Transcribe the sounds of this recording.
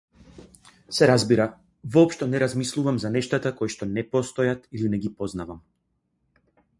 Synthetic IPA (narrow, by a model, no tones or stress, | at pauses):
sɛɾazbiɾa | vɔːpʃt̪ɔnɛɾazmislˠuvamzanɛʃt̪at̪akɔjʃt̪ɔnɛpɔst̪ɔjat̪ilinɛɡipɔznavam